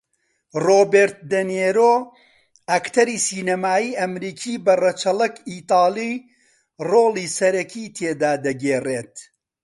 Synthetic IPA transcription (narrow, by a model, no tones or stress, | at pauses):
roːbeːɾt̪̚d̪ɐneːɾoː | ɐkt̪ʰɐɾiːsiːnɐmaːjiːʔɐmɾiːkʰiːbɐrɐt͡ʃɐlɐkiːt̪ɑːlˠi | roːliːsɐɾɐkʰiːt̪ʰeːd̪aːd̪ɐɡeːreːt̪